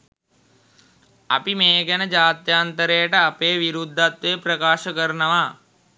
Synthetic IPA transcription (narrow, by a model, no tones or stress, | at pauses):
ɐ̰pimeːɡɛnəd͡ʒaːt̪jaːnt̪əɾejəʈəapeːʋiɾud̪ʱːat̪ʋeːpɾɐkaːʃəkəɾənəʋaː